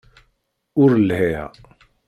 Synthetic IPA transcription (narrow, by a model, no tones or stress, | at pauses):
uɾlɦeja̰